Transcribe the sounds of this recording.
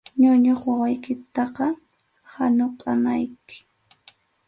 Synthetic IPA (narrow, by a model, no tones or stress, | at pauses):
ɲʊɲoχwawajkɪt̪ɑqɑ | hanoqʼɑnajkɪ̥